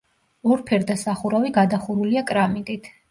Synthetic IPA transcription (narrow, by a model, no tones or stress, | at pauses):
ɔɾpʰɛɾd̪asaχuɾaviɡad̪aχuɾuliakʼɾamid̪ʼit̪ʰ